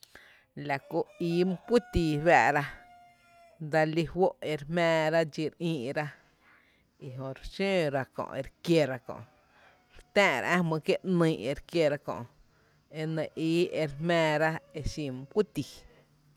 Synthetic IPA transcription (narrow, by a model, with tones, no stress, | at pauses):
la˨ko˧˨iː˨˦m˦kʷu˦t̪iː˨ba˧ʔɾa˦ | d̪a˧li˧hwo˦ʔe˧ɾhmɛ̃ː˧ɾa˦d͡ʒi˧ɾʔĩː˧ʔɾa˦ | i˧˨ɦõ˧˨ɾʃẽː˦ɾa˧kõ̰˨ʔe˧ɾkje˧ɾa˧kõ̰˨ʔ | ɾt̪ãː˦˨ɾa̰˨ʔã˦mɨ̃˧kje˦ʔnĩ˧˨e˧ɾkje˧ɾa˧kõ̰˨ʔ | e˧nẽ˨ʔiː˦e˧ɾmɛ̃ː˧ɾa˦e˧ʃĩ˧m˧kʷu˦t̪i˨